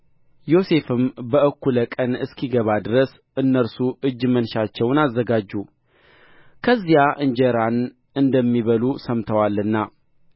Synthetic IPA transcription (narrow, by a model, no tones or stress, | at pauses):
jo̞se̞fɨmbəʔəkːuləkʼənɨskʰiɡəβad̪ɨɾəs | ɨnːəɾsuʔɨd͡ʒːmənʃat͡ʃːɛwnazːəɡad͡ʒːu | kʰəzːijaʔɨɲd͡ʒəɾan | ɨnd̪əmːiβəlusəmt̪ʰəwalːɨnːa